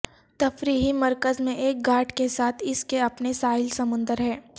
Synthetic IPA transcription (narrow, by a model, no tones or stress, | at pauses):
t̪ɐfɾiːɦimɐɾkəzmẽʔeːk̚ɡaːʈkesaːt̪ʰɪskeɐpnesaːɪlsɐmʊ̃nd̪əɾɦɛː